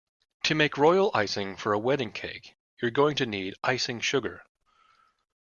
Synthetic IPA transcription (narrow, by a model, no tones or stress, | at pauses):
tʰɨmeɪkɹɔɪl̩ˠʔaɪsɪ̃ŋfə˞əwɛɾɪ̃ŋkʰeɪk | jə˞ɡoʊɪ̃ŋtʰɨniɾʔaɪsɪ̃ŋʃʊɡə̰˞